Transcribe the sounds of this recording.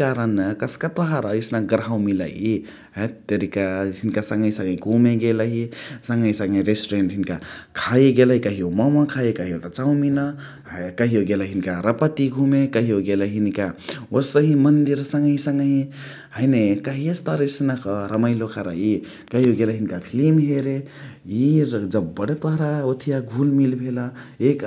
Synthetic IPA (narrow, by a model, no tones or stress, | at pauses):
kaɾənkʌskat̪ɔɦaɾʌisnaɡɾawmila̰i | ɦat̪eɾikaɦinkasʌŋɡʌĩsʌ̃ŋʌĩɡʱumeɡelaɦisʌŋɡʌisʌŋɡʌĩɾesʈɾenʈɦinkakʰaeɡelaɦikʌɦiomʌmakʰajekʌɦiot̪at͡sawminʌ | kʌɦioɡelaɦinikaɾʌpət̪iɡʱumekʌɦioɡelaɦinikaosʌɦĩmʌnd̪iɾsəŋɡəɦĩsʌŋɡʌɦĩ | həjnekəɦiest̪aɾisnakʌɾəməjlokʰaɾa̰i | kʌɦioɡelaɦinkapʰilimɦeɾe | iɾd͡zʌbbəɽet̪waɾaot̪ʰijaɡʱulmilbʱelʌek